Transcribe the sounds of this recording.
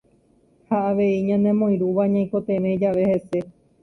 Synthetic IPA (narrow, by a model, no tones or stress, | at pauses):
haaʋe̞iɲãnẽ̞mõj̃ɾuʋaɲãj̃ko̞t̪ẽɾed͡ʒaʋe̞he̞se̞